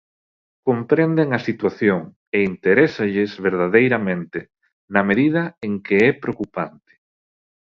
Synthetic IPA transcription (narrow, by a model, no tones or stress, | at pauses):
kompɾend̪eŋɐsit̪waθjoŋ | eint̪eɾɛsaʎɪzβeɾð̞aðejɾɐmẽnt̪ɪ | nɐmeðiðɐeŋkeɛpɾeokupant̪ɪ̥